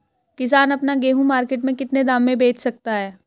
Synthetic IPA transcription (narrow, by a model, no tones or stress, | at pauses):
kɪs̬aːnɐpnaɡeːɦũmaːɾkeːʈmẽkɪt̪ned̪aːmːẽbeːt͡ʃʰsɐk̚t̪aɦɛː